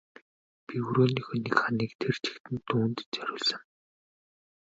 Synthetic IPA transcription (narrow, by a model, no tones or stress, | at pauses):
pʲiuɾoːniːxɵnikχaniːkt̪ʰert͡ɕʰi̥kt̪ɘ̆nt̪uːnt̪t͡sœɾʲʊːɮsə̆ŋ